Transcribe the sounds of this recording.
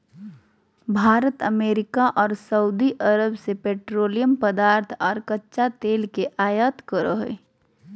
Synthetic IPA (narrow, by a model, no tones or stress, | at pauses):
bʱaːɾət̪ə̰meːɾɪkaʔɔːɾsəud̪iʔəɾəbsepeːʈɾoːlijəmpəd̪aːɾt̪ʰɔːɾkɐtːʃat̪eːlkeʔaːjət̪kəɾoɦḛ